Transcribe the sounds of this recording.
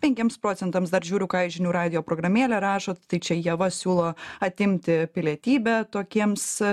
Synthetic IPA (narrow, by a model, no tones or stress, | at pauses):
pʲɛŋʲkʲiɛmspɾoːt͡s̪ʲɛnt̪ɐmsd̪ɐɾʒʲuːɾʲʊkɑːɛɪʒʲɪnʲuːɾɑːd̪ʲɪjoːpɾoːɡɾɐmʲeːlʲɛɾɑːʃoːt̪t̪ɐɪt͡ʃʲɛjiɛʋɐsʲuːlˠoːɐt̪ʲɪmʲt̪ʲɪpʲɪlʲiɛt̪ʲiːbʲɛt̪oːkʲiɛms